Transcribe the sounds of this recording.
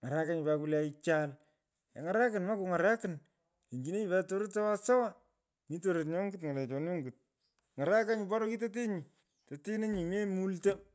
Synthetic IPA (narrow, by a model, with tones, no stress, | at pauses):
ŋa˨ɾa˦ka˦ɲi˨ba˨ku˦la˦i˦t͡ʃa˦l | ja̰˨ŋa˨ɾa˦kɪ˨nma˦ku˨ŋa˨ɾa˦kɪ˨n | e˨ɲd͡ʒi˨ne˦ɲi˨ba˦to˦ɾo˦ta˦wa˦sa˦wa˦ | mi˦t̬o˦ɾo˨tɲo˦ŋɡɪ˦tŋa˨lɛ˨t͡ʃɔ˨no˦ŋɡɪ˨t̚ | ŋa˨ɾa˦ka˦ɲi˨pa˦ɾo˦ki˦t̬o˦t̬e˦ɲi˨ | to˨te˦ne˦ɲi˨me˦mu˦lta˦